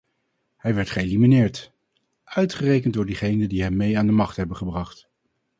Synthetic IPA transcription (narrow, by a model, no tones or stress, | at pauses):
hɛjʋɛɹtχəeliminɪːɹt | ʔœɥtχərejkənt̚dʊːɹdiχejnədiɦɛmːejaːndəmɑχtɦɛbəχəbrɑχt